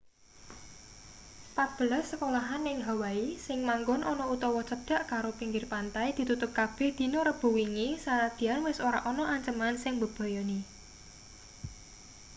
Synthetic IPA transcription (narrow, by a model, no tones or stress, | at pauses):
pat̪̚b̥əlasːəkolaɦanɪŋɦawaisɪŋmaŋɡɔnʔɔnɔut̪ɔwɔt͡ʃəd̪̥a̤ʔkaɾopiŋɡɪrpant̪ajd̪̥i̤t̪ut̪ʊp̚kab̥ɛ̤hd̪̥i̤nɔɾəb̥ṳwiŋisaɾad̪̥i̤anwɪsoɾaʔɔnɔʔaɲt͡ʃəmansɪŋbəb̥ɔ̤jɔni